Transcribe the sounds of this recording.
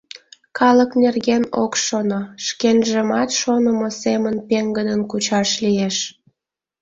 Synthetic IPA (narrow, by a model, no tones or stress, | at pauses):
kɑləknerɣeno̰kʃonoʃkenʒəmɑt̪ʃonəmosemənpeŋɡəd̪ənkut͡ɕɑʃlieʃ